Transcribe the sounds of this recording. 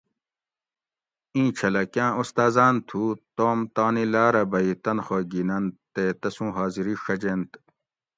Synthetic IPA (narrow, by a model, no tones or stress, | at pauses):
ĩːt͡ɕʰɐlɐkjãːʔust̪aːzaːnt̪ʰuːt̪oːmt̪aːnilaːɾɐbɐit̪ɐnxoɡinɐnt̪et̪ɐsũːɦaːziɾiʂɐd͡ʑeːnt̪